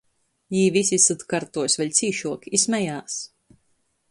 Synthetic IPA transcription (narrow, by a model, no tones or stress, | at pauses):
jiːvisisat̪kaɾt̪uɔsvɛlʲt̪siːʃuɔkismʲɛjaːs